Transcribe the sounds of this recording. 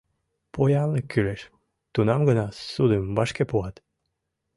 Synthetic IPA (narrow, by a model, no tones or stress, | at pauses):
pojɑləkːyleʃ | t̪unɑmɡənɑsud̪əmbɑʃkepuɑt̪